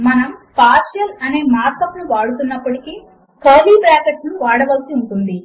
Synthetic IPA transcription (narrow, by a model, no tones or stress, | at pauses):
mɐnɐmpaːɾʃɐlɐne̞ːmaːɾt̪ɐpnuʋaːɽut̪unːɐpːɐʈikiː | kɐːliːpɾaːkeʈnuʋaːɽɐʋɐlsiuɳʈund̪i